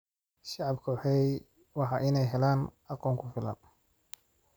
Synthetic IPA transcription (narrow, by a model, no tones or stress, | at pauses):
ʃɑʕɑbkʰɔːħɛj | wɑħɑːʔɪnɛjɦɛlaːnɑqɔːŋkʰʊfɪlɐ̰n